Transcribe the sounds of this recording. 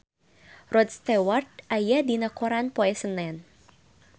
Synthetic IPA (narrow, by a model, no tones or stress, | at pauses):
rɔd̪̚st̪ɛwart̪̚ajahdinakɔɾanpoɛsənɛn